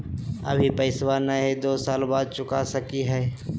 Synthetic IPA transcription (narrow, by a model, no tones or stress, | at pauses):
ɐ̰bʱipɐɪswanəɦed̪oːsaːlbaːd̪̚t͡ʃʊkasɐkiɦɛː